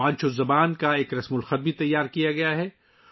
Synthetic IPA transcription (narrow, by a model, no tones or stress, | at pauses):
ãːt͡ʃozɐbaːnkaeːkɾɐsmʊlxɐd̪̚bʱit̪ɐjːaːɾkijaɡɐjaɦɛ